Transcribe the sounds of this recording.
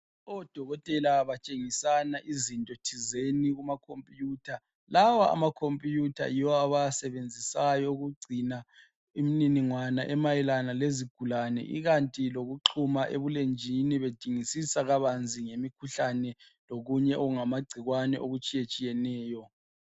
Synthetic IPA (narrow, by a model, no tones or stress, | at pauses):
ɔd̥ʱɔɣɔtʼɛlaβat͡ʃʼeŋisanaʔizintʼotʰizeniɣumakʰompʼijuːtʰa | lawaa̰makʰompʼijutʰa̰jiwɔaβajasɛβend͡zʱisajɔuɣuɡ͡ǀʱina | imininiŋwanaʔɛmajɛlanaleziɡ̥ʱulanɛ̰ʔḭɣantʼiloɣuǃʰumaʔḛβulend͡ʒʱiniβed̥ʱiŋisisaɣaβand͡zʱiŋemikʰuɬanɛ | loɣuɲɛʔoɣuŋamaɡ͡ǀʱiɣwanɛʔoɣut͡ʃʼijet͡ʃʼijɛnɛːjɔ